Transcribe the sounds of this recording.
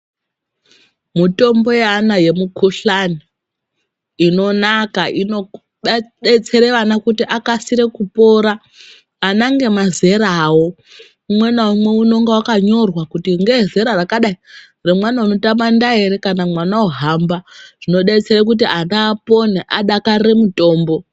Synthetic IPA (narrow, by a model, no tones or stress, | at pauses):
mito̞mbo̞jeanaje̞mukuɬani | ino̞nakaʔino | ɗet͡se̞ɾeʋanakutiʔakasiɾe̞kupo̞ɾaː | naŋɡe̞maze̞ɾawo̞ | umwe̞naumwe̞uno̞ŋɡewakaɲo̞rwakutiŋɡeze̞ɾarakaɗai | remwanaunotamandaeɾe̞kanamwanaoɦambaʐ̥ino̞ɗet͡se̞ɾek̬ut̬ianaːpo̞neʔaɗakaɾemuto̞ːmbo̞